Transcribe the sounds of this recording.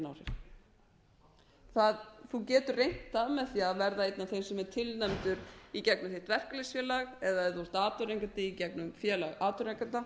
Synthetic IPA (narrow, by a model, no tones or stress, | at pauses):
nawsɛ̰ɾ | θaðθucɛːt̪ʏrejn̥t̪amɛðθiaðvɛɾðaet̪naθejsɛmɛɾ̥t̪ʰɪlnɛmt̪ʏɾicɛk̚nʏmθeht̪vɛr̥kalesfjɛːlaɣɛðaɛɾθɔɾ̥t̪aːt̪ʏɾejŋkant̪ɪicɛknʏmfjɛːlaɣaːt̪ʏɾeŋkant̪a